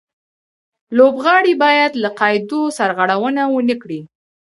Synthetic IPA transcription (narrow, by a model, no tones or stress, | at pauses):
lobɣɑɽibɑjad̪laqɑjd̪osaɾɣaɽawənawənəkɽi